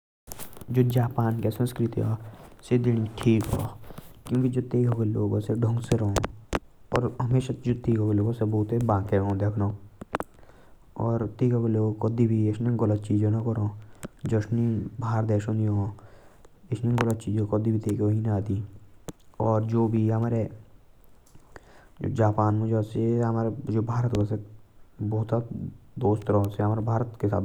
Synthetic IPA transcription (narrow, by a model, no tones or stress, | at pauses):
d͡ʒoːd͡ʒaːpaːnkesə̃nskɾɪt̪ḭɦɔsed̪ɪɽĩʈʰiːkɦo̰ːkjõːkid͡ʒoːt̪eːɡoɡeloːɡõseɖʱə̃ŋɡseɾɐɦõ | ɔ̰ːɾɦəmeːʃad͡ʒot̪eːkoɡeloːɡõseboɦut̪ebãːkeɾɦõd̪eːkʰno | ɔːɾt̪eːkokeloːɡokəb̪ʱibʱiesniɡələt̪̚t͡ʃiːd͡ʒõnɐkɔɾõd͡ʒəʃnibʱaːɾd̪ɛːʃõnd̪iõõ | ɪsnĩɡələt̪t͡ʃiːd͡ʒõkəd̪ibʱit̪eːkeoɦinaaːt̪i | ɔːɾd͡ʒoːbʱiɦəmaːɾe | d͡ʒaːpaːnmũd͡ʒaseɦəmaːɾed͡ʒoːbʱaːɾət̪ɡoseboːt̪ad̪oːst̪ɾɔseɦɐmaːɾebʱaːɾət̪kesa̰ːt̪